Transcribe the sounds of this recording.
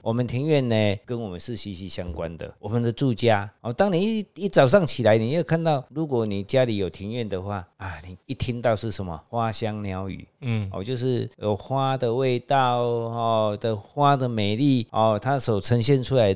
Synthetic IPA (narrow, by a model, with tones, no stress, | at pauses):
wɔ˨˩mə˨nt̪ʰi˧˥˦ŋɥɛ˥˨nːe˧kə˦˥nwɔ˨˩mə˨˦nʂɻ̩˥˨ɕi˧˥˩ɕi˧˥ɕja˦ŋkwa˦nd̪ə̰˨wɔ˨˩mə˨nd̪ə˨t͡su˥˧t͡ɕja˦hɔ˨˩t̪a˦˥ŋnĩ˨i˥i˥˩t͡sa˨˩ʊʂ̬a˥˩ŋt͡ɕʰi˨˩la˨˦ɪni˨˩ja˥˩ʊkʰa˥˧nt̪ɑ˥˩ʊlu˨˦kwɔ˨˦ni˨˩t͡ɕja˦˥li˨˦jo˨˩ʊt̪ʰi˧˥ŋɥɛ˥˨nd̪ə˨xwa˥˩a˨˩ni˨˩i˥˩t̪ʰi˦˥ŋt̪ɑ˥˧ʊʂɻ̩˥˩ʂə˦nmə̰˨xwa˦ɕja˦ŋlja˧˦ʊy̰˨˩˦ɔ̰˨t͡ɕjo˥˧ʊʂ̬ɻ̩˥˩jo˨˩ʊxwa˦d̪ə˨we˥˧ɪt̪a˥˨ʊɔ˨d̪ə˨xwa˦d̪ə˨mẽ˨˩ɪli˥˨ɔ˨t̪ʰa˦so˨˩ʊt͡sʰə˧˦nɕjɛ˥˨nt͡sʰu˦la˧˦ɪ